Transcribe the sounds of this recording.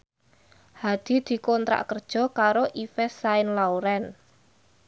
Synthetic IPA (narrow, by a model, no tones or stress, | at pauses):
had̪̥i̤d̪̥i̤kɔnt̪ɾa̰ʔkərd̥ʒ̥ɔ̤kaɾoʔifɛsaɪnlauɾɛn